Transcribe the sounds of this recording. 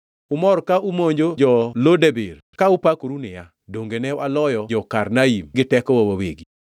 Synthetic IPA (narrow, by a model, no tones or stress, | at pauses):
ʊmɔɾkaumoɲd͡ʒod͡ʒɔlodeber | kaupakɾunɪja | doŋɡenɛwalɔjɔd͡ʒɔkarnaimɡɪtɛkɔwowaweɡi